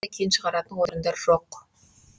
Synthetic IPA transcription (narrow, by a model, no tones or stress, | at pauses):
ɑkʲʰejnʃəʁɑɾɑt̪ənwoɾənd̪ɑɾʒ̥o̞q